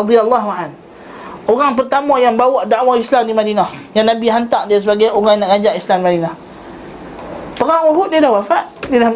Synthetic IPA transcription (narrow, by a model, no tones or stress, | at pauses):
ɑd̪ijalːaɦuʕan | oɣaŋp̬ərt̪amãjaŋbawaʔdaʔwaislamdimadinahjaŋnabiɦant̪aʔdias̬əbaɡajoɣaŋnaʔɡad͡ʒaʔislamdimadinah | pəɣaʔwuɦuʔ̚diəlahwafaʔdiəla